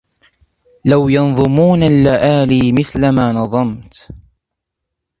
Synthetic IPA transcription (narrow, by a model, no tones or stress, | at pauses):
lawjɑnðˤʊmuːnalːaʔaːliːmɪθlamaːnɑðˤɑmt̪